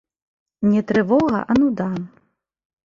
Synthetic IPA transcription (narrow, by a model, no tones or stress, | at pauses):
nʲɛt̪ɾɨvɔɣɐ̰ʔɐnud̪an